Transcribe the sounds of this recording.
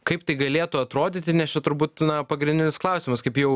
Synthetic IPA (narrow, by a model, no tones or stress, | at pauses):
kɐɪpt̪ɐɪɡɐlʲeːt̪ʊɐt̪ɾoːd̪ʲiːt̪ʲɪnʲɛsʲt͡ʃʲɛt̪ʊɾbuːt̪nɐpɐɡɾʲɪnʲdʲɪnʲɪsklˠɐʊsʲɪmɐskɐɪpjɛʊ